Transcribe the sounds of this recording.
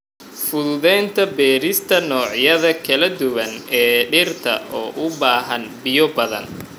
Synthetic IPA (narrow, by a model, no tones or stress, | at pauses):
fʊðʊðɛːnt̪ʰɐbɛːɾɪst̪ʰɐnɔːʕjɐðɐkʰɐlɐd̪ʊwɐnɛːɖɪrt̪ʰɐ̰ɔːʔʊbaːɦɐnbɪjɔbɐðɐ̰n